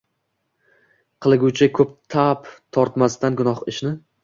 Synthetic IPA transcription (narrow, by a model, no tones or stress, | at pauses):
qʰɨlˠɪɡʲuwt͡ʃʰɪkʰɵp̚t̪ʰapt̪ʰɒɾt̪mast̪anɡʊnɒχɪʃnɪ